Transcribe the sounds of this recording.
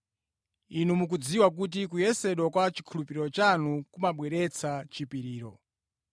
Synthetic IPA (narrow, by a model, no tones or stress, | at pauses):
inumuk̬ud͡ziwak̬ut̬ikujɛsɛɗwɔkwat͡ʃi̥kʰulupiɾɔt͡ʃanukumaɓwɛɾɛt͡sʰat͡ʃipiɾiːɾɔ̰